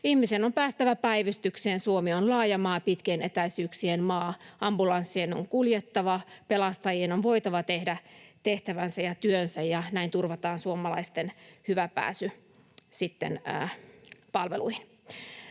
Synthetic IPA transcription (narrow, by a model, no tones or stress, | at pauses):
ihmisenompæːst̪æʋæpæiʋyst̪ykseːnsuomionlɑːjɑmɑːpit̪kenet̪æisyːksienmɑːɑmbulɑnsːienoŋkuljet̪ːɑʋɑpelɑst̪ɑjienonʋoit̪ɑʋɑt̪ehdæt̪eht̪æʋænsæjɑt̪yønsæjjɑnæint̪urʋɑt̪ɑːnsuomːˑɑlɑist̪enhyʋæpæ̰ːsy | sit̪ːḛnː | pɑlʋeluihin